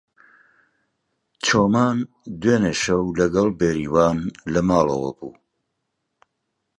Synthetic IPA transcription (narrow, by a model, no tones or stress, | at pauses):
t͡ʃʰoːmaːn | d̪weːneʃɐwlɐɡɐlˠbeːɾiːwaːnlɐmaːlɐ̰wɐ̰bṵː